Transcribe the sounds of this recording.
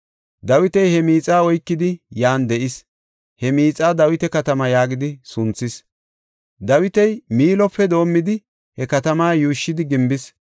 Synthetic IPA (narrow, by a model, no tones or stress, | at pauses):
d̪ɐwɪt̪ɛjhɛmiːt͡sʼaːɔjkːɪd̪ɪjaːnd̪ɛʔɪs | hɛmiːt͡sʼaːd̪ɐwɪt̪ɛkɐt̪ɐmɐjaːɡɪd̪ɪsʊnt͡sːɪs | d̪ɐwɪt̪ɛjmiːlɔpːɛd̪o̞ːmːɪd̪ɪ | hɛkɐt̪ɐmaːjuːʃːɪd̪ɪɡɪmbɪs